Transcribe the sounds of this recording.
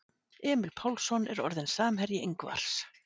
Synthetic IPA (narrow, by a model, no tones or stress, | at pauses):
ɛːmɪlpʰawlsɔnɛ̰ɾɔ̰ɾðɪnsaːmɦɛɾjɪʔejŋkva̰ɾ̥s